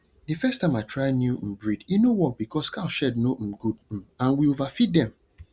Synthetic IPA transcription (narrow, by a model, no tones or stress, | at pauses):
difɛstãɪ̃matʰɹaɪnjum̩bɹidjinowɔt̚bikɔskaʊʃɛdnom̩ɡud̩ãnwiovafit̚dɛ̃m